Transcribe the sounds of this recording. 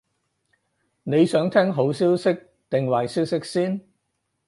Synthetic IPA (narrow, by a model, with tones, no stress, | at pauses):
ne˨˧jsœː˨˥ŋt̪ʰɛː˥ŋɦo˨˥wsiː˥wsɪ˥k̚ | t̪ɪ˨ŋwɐ˨˩jsiː˥wsɪ˥k̚siː˥n